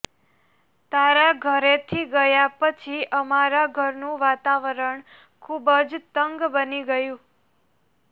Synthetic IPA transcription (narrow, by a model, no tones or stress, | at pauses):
t̪aɾaɡʱəɾet̪ʰiɡəjapət͡ʃʰiʔəmaɾaɡʱəɾnũʋat̪aʋəɾəɳ | kʰubəd͡ʒt̪əŋɡbəniɡəjũ